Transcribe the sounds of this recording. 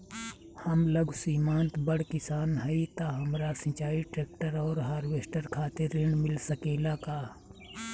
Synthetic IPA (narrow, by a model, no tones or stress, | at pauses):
həmləɡsiːmãːnt̪bəɽ̤kɪsaːnɦɛit̪aɦɐmɾasə̃t͡ʃaːiʈɾeːkʈəɾɔːɾɦaːɾʋeːsʈəɾkʰaːt̪eɾɪɳmɪlsəkeːlakaː